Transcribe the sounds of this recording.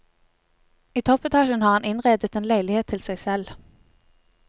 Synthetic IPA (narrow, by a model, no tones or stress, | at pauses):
iːt̪ʰɔpɛt̪ʰɑːʃənhɑːʁhɑnɪnʁeːd̪ət̪eːnlæɪlɪheːt̪ʰːɪlsæɪsɛl